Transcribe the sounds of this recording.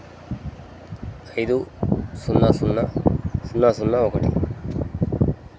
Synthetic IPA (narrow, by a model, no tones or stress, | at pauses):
kʰajd̪usunːasunːasunːaːsunːaokɐʈḭ